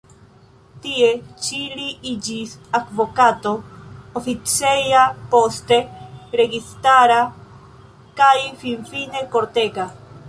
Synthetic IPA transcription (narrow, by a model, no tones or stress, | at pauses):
t̪iet͡ʃiliid͡ʒisakbokat̪oofit͡sejapost̪eɾeɡist̪aɾa | kajfinfinekoɾt̪eka